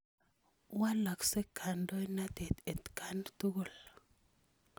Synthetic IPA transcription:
wa˦la˨kse˦kʰa˨ndo˦jna˦t̪e˨t̪e˨t̪kʰa˨nt̪u˦ɡu˦˨l

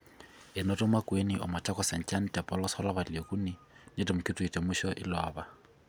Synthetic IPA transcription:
ɪ˨nɔtʼɔ˦makʼwe˦niʔɔ̰˨mɔ˨t͡ʃʰʼa˦kɔsɛ˨n̩t͡ʃʼa˦n̩tʼɛ˨pʼɔlɔ˦sɔ˦laβalekʼu˦ni˦ | netʼɪ˨mʊ˨kʼɪtʼui˨tʼe˨mʊʃɔʔɪ̰˦lɔːba˨

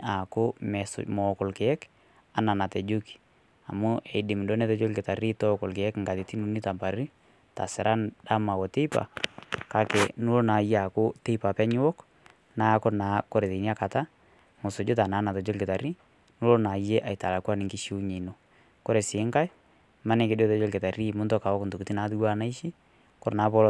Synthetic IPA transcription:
a˨kʊ˦mɛ˨smɔ˨kɔ˨lkɪ˨ɛ˦k | a˦na˨na˨tɛ˨d͡ʒu˦ki̥˨ | a̰˨mʊ˦ʔɛ˨dɪ˨m˨do˦nɛ˦tɛ˦d͡ʒo˦lkɪ˨ta˨ɾi˦tɔ˦kɔ˨lkɪ˨ɛ˦kŋɡa˨ti˨ti˦nu˨˦ni˦ta˨mpa˨ɾi˦ | ta̰˨sɪ˨ɾʔa˦nda˦ma˨wɔ˨te˦i˦pa̰˨ka˦kɛ˨nu˦lo˦na˨jɛ˦a˨kʊ˦te˦i˦pa˨pɛ˦ɲɪ˦wɔ˦k | naː˦kʊ˦ɾnaː˨˦kɔ˦ɾe˨te˨ni˦a˦ka˨ta˦ | mʊ˨sʊ˨d͡ʒʊ˦ta˨na˨˦na˨tɔ˨d͡ʒo˦lkɪ˨ta˨ɾi˦ | nu˦lo˦na˨je˦ʔa˨jta˨la˨kwa˦nɪ˨ŋkɪ˦ʃi˦u˦ɲe˨no˨ | kɔ˦ɾe˨sɪ˨˦ŋka˦j | ma˦nɛ˨kɪ˦dɔ˦tɔ˦d͡ʒɔ˦lkɪ˨ta˨ri˦˨mʊ˦ntɔ˦ka˨wɔ˦kntu˨kti˦naː˨˦tu˦ɡa˦na˦i˦ʃi˦ | kʊ˦ɾna˨˦pɔ˦l

